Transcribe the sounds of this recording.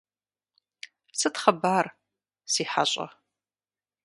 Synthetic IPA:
sɨtχɐbaːr | siːħa̰ɕʼɐ̰

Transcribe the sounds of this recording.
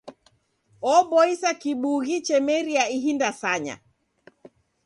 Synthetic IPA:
ɔɓɔisakiɓuɣit͡ʃɛmɛɾiaiɦindasaɲa̰

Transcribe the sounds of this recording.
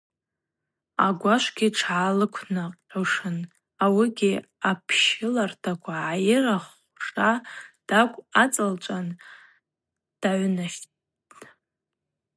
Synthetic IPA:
a̰ɡʷaʃʷɡʲiʈ͡ʂʰʕalɨkʷʰnaqʼħʷʊʂɨn | awiɡʲi | apʰʃɪlartʰakʷʰaʕajɪraχ | ʂad̥akʷʼat͡sʼalt͡ʃʷʼan | d̥aʕʷnaʃ | t

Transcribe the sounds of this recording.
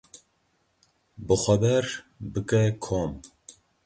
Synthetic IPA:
bɨxʷɐbɛɾ | bɨkɛkʰoːm

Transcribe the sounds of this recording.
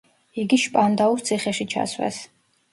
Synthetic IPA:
iɡiʃpʼand̪aust̪sʰiχɛʃit͡ʃʰa̰svwɛ̰s

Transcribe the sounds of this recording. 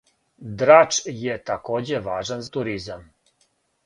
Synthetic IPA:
d̪ɾat͡ʃjet̪akoːd͡ʑeʋaːʒanzat̪uɾizam

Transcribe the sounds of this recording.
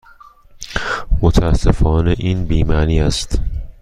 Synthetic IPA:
mot̪ʰææsːefɒːneʔiːnbiːmæːniːæst̪

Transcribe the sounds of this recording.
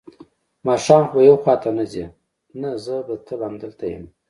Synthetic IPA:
mɑʃɑːmxbajawxwɑt̪ʰanazi | nazəb̪ət̪ʰəbamd̪əlt̪ajə̰m

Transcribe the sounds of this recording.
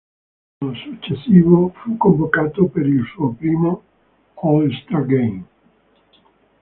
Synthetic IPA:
osut͡ʃːesːiːvofukːoɱvokaːt̪opeɾilsuːopɾiːmo | ɔlst̪aɡem

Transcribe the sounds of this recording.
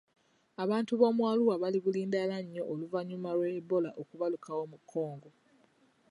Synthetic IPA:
aβaːntuβo̞ːmwaːluwaβaliɡuliːndalaɲːo̞ʔoluvaɲːumalwebolaʔokuβalukʰawo̞mukʰːo̞ːŋɡo̞

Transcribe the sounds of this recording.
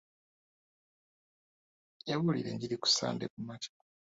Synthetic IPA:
jaβulḭɾe̞̰ɲɟiɾiku̥sa̰ːndekumacḁ

